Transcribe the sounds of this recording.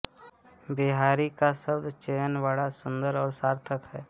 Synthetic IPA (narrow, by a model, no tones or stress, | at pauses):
bɪɦaːɾikasəbd̪t͡ʃeːjənʋaːɭasʊ̃nd̪əɾɔːɾsaːɾt̪ʰəkɦɛː